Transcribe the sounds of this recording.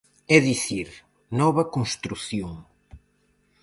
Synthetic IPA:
ɛðiθiɾ | nɔβɐkõnst̪ɾuθjõŋ

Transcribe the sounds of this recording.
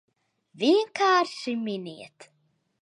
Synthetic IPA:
viŋkʰaːɾsiminḭt̪

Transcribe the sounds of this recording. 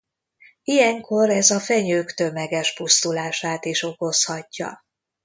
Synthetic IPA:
ijɛŋkʰo̞ɾɛzɒfɛɲøːkt̪ø̞mɛɡɛʃpust̪ulaːʃaːt̪iʃo̞ko̞shɒcːɒ̰

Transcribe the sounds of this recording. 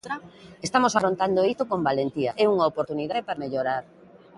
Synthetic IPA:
t̪ɾaest̪amosaɾont̪and̪oit̪okombalent̪iaʔɛuŋaopoɾt̪uniðaðepaɾmeʎoɾaɾ

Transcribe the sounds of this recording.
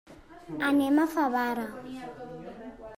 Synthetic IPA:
anɛmafaβaːɾa

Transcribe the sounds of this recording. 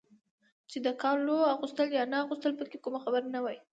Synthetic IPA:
t͡ʃed̪əkɑloaɣust̪əljɑnaaɣust̪əlpəkekumaxabəɾnawaj

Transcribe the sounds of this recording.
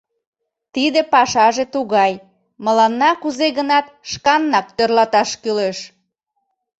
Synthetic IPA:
t̪id̪epɑʃɑʒet̪uɣɑj | məlɑnːɑkuzeɣənɑt̪̚ʃkɑnːɑk̚t̪ørlɑt̪ɑʃkyleʃ

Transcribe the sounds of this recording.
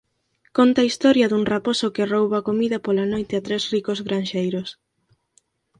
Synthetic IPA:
kont̪aːist̪ɔɾjɐðuŋraposokerowβakomiðɐpolanojt̪eat̪ɾezrikozɣɾanʃejɾos

